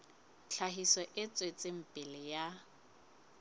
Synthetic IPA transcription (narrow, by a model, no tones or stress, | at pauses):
t͡ɬʰaɦisɔʔɪt͡sʼwet͡sʼɪm̩pʼɪlɪja